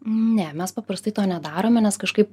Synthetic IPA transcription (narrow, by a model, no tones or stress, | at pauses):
nʲɛmʲɛspɐpɾɐst̪ɐɪt̪oːnʲɛd̪ɑːɾoːmʲɛnʲɛskɐʃkɐɪp